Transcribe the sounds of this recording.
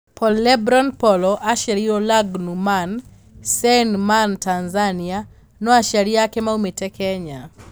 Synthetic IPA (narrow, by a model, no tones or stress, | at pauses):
pʰɔlːɛbɾɔnpɔlɔʔaʃaɾiɔlaɡnuman | sɛnmantanzania | nɔaʃaɾiakɛmaumetɛkʰɛɲa